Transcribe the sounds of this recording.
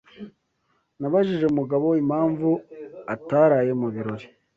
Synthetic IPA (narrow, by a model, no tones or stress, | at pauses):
naβaʒiʒe̞umuɡaβo̞imhaːɱvuataɾaːje̞muβiɾo̞ɾi̥